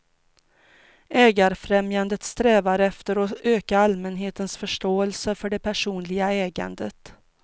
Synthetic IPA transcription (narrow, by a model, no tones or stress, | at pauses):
ʔɛːɡaɾfɾɛmjand̪ət̪st̪ɾɛːvaɾɛft̪əɾɔøːkaalmɛnɦeːt̪ənsfœʂʈoːɛlsəfœɖɛpʰæʂuːnlɪɡaɛːɡa̰nd̪ət̪